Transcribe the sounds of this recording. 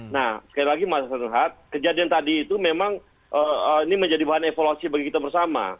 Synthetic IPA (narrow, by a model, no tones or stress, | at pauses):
nahsə̥kalilaɡimaasənɦat̪̚kəd͡ʒadiant̪adiːt̪umemaŋ | ʔəəiniməɲd͡ʒadibaɦanefoluasibaɡikit̪abərsama̰